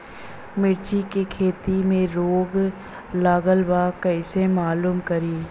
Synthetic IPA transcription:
mɪɾt͡ʃikekʰeːt̪imẽɾoːɡ | laːɡəlbaːkɐɪsemaːluːmkɐɾiː

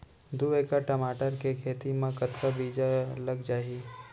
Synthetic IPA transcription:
d̪ueːkaʈəmaːʈəɾkekʰeːt̪imãkət̪kabiːd͡ʒalɐɡd͡ʒaːi

